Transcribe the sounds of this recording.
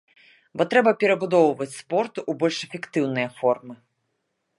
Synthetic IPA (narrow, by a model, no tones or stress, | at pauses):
bɔt̪ɾɛbɐpʲɛɾɐbud̪ɔwvɐt͡sʲspɔrt̪uʔubɔlʲʂɛfʲɛkt̪ɨwnɨjɐfɔrmɨ